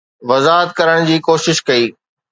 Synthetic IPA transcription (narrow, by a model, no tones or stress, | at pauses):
ʋɐzaːɦət̪̚kɐɾəɽ̃d͡ʑiːkoːʃɪʃkɐiː